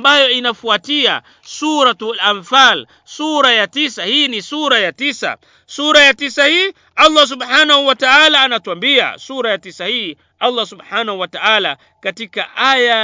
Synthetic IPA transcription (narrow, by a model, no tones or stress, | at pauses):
mbajɔinafuatia̰ | suɾatlamfal | suɾajatisahinisuɾajatisa̰ | suɾajatisahiː | alˤːas̬ubħanahuwataalaːnatuambia̰suɾajatisahi | alˤːasubħanahuwataʔala | katikaʔaja